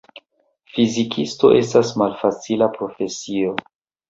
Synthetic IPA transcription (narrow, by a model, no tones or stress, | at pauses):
fizikʰisto̞̰ʔe̞stasmalfat͡silapɾo̞fe̞sio̞